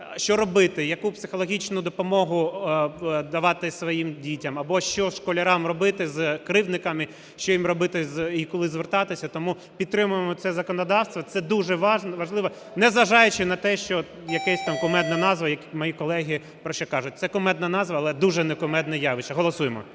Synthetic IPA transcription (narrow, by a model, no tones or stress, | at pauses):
ʃt͡ʃɔɾɔbɪt̪ɪjɐkupsɪxɔlˠɔɦʲit͡ʃnʊd̪ɔpɔmɔɦʊ | d̪ɐʋɑt̪ɪsʋɔjimdʲitʲɐmɐbɔʃt͡ʃɔʃkɔlʲɐɾɑmrɔbɪt̪ɪzkɾɪwnɪkɐmɪ | ʃt͡ʃɔjimrɔbɪt̪ɪzikɔlˠɪzʋɪrt̪ɑt̪ɪsʲɐt̪ɔmu | pʲidt̪t̪ːɾɪmʊjemɔt̪sɛzɐkɔnɔd̪ɑwst̪ʋɐt̪ɛd̪uʒɛʋɑʒnʋɐʒlˠɪʋɐ | nɛzʋɐʒɑjʊt͡ʃɪnɐt̪ɛʃt͡ʃɔ | jɐkɛsʲt̪ɑmkʊmɛd̪̚nɐnɑzʋɐjɐkmɔjikɔlˠɛɦʲi | pɾɔʃt͡ʃɛkɑʒʊt̚ʲt̪sɛkʊmɛd̪nɐnɑzʋɐːlˠɛd̪uʒɛnɛkʊmɛd̪nɐjɑʋɪt͡ʃɐɦɔlˠɔsujemɔ̰